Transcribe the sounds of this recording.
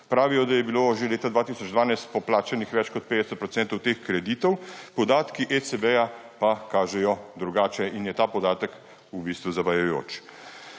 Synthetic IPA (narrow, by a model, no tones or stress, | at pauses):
pɾaːʋijɔd̪ajɛbiloʒeleːt̪ad̪ʋaːt̪isɔd͡ʒd̪ʋaːnajst̪̚pɔplaːt͡ʃanixʋɛt͡ʃkɔt̪̚peːd̪ɛsɛt̪pɾɔt̪sɛːnt̪ɔwt̪eːxkɾɛd̪iːt̪ɔwpɔd̪aːt̪kiʔet͡s̪ebɛja | pakaːʒɛjɔd̪ɾuɡaːt͡ʃɛʔinjɛt̪aːpɔd̪aːt̪ək | ubiːst̪ʋuzabajɛjo̰ːt͡ʃ